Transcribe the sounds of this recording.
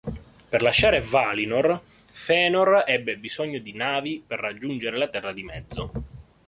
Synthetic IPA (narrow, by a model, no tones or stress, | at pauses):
perlaʃːaːɾevaːlinor | fɛːnorɛbːebizɔɲːod̪inaːviperːad͡ʒːund͡ʒeɾelat̪ɛrːad̪imɛd̪zːo